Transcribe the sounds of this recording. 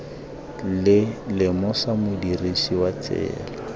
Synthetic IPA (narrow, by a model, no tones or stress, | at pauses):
lɪlɪmʊsamʊdirisiwat͡sɛ̰ːla